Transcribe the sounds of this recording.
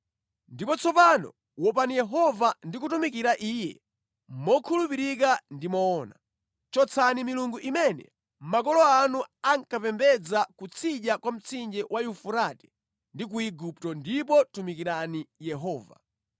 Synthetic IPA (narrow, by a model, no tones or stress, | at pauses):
ndipɔt͡sʰɔpanɔ̰ | wɔpanijɛɦɔvandik̬utumikiɾaʔiːjɛ̰ | mɔkʰulupiɾikandimɔːna̰ | t͡ʃɔt͡sʰanimiluŋɡuʔimɛnɛ̰ | m̩mak̬ɔlɔanuaŋkapɛmbɛd͡zakut͡sʰiʄakwam̩t͡sʰind͡ʒɛwajufuɾatɛ̥ | ndik̬uiɡuptɔndipɔtumikiɾanijɛɦɔːva̰